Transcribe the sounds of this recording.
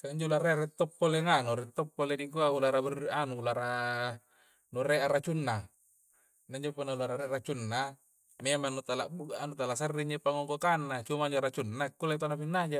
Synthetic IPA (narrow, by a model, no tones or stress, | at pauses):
kaiɲd͡ʒoulaɾeaɾet̪ːɔpːoleŋanuɾet̪ːopːoledik̬uaulaɾaburiʔanulaɾa | nuɾeʔaɾat͡ʃunːa | naɲd͡ʒopunːaulaɾaɾeaɾat͡ʃunːa | memanut̪alaʔbuɡaʔanut̪alasarːiɲd͡ʒopaŋoŋɡokanːat͡ʃumaiɲd͡ʒoɾat͡ʃunːakːulait̪anapinːad͡ʒa